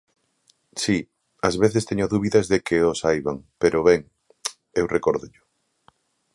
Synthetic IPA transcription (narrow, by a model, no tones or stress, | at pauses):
si | ɐzβeθest̪eɲoðuβiðɐzðekeosajβaŋpeɾoʊβɛŋ | ewrekoɾðʊʎʊ